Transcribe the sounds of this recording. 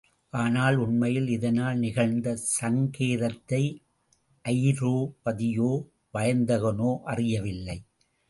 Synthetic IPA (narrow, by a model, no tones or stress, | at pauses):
ʔaːnaːlʊnmɐjɪlɪðɐnaːlnɪɣɐɻnd̪ɐsɐŋkeːɾɐt̪ːɐɪ | ʔɐjɾoːpɐðɪjoː | ʋɐjɐnd̪ɐɣɐnoːʔɐrɪjɐʋɪlːɐɪ